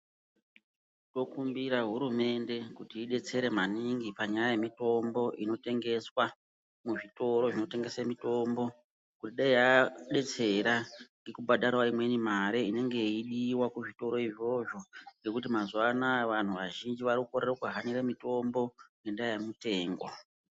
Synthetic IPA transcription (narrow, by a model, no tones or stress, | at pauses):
to̞kumbiɾaɦuɾume̞nde̞kutiːɗe̞t͡se̞ɾe̞maniŋɡipaɲajajemito̞mbo̞ʔino̞te̞ŋɡe̞swa | muʐito̞ɾo̞ʐino̞te̞ŋɡe̞semito̞mbo̞ | kutiɗaiaɗe̞t͡se̞ɾaŋɡekubadaɾwaimwe̞nimaɾeine̞ŋɡe̞iɗiwakuʐito̞ɾo̞iʐo̞ʐo̞ŋɡe̞kut̬imazwanaʋan̤uʋaʒind͡ʒiʋarikukorerokuɦaniɾemito̞mbo̞ŋne̞ndajemute̞ːŋɡo